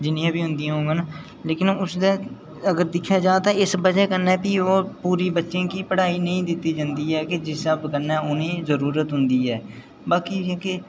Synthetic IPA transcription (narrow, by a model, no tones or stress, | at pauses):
d͡ʒɪnĩjãːbiːɦʊ̃nd̪ijãːɦõːɡanaː | leːkɪnʊsd̪aː | əɡəɾd̪ɪkʰːjaːd͡ʒaːt̪ãːɪsbəd͡ʒɛːkənːɛːpiːoːpuːɾiːbətːʃẽːkiːpəɽaːiːnəĩːd̪ɪt̪ːiːd͡ʒãːnd̪iːɦɛːked͡ʒɪsəbkənːɛːʊnẽːzəɾuːɾət̪ɦʊnd̪iːɦɛː | baːkiːke